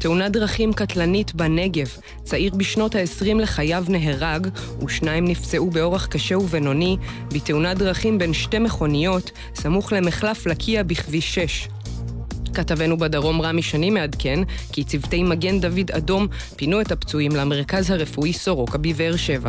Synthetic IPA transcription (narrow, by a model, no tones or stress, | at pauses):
teunadʁaχimkatlanitbane̞ɡe̞v | t͡saiʁbiʃno̞thaesʁimle̞χajavne̞ɦeʁaɡ | uʃnaimnift͡seʔubeo̞ʁeχkaʃeuveno̞ni | biteunadʁaχimbe̞nʃte̞me̞χo̞nijo̞t | samuχle̞meχlaflakʰiabiχviʃe̞ʃ | katavenubadaʁo̞mʁamiʃanimeadkenkit͡sivtejmaɡe̞ndavidado̞m | pinuethapt͡suimlameʁkazhaʁefuiso̞ʁo̞kabiveeʁʃe̞va